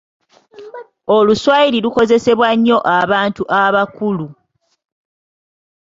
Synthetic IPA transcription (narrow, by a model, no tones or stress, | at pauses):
o̞luswaiɾiluko̞ze̞se̞βwaɲːo̞ʔaβaːntuʔaβakulu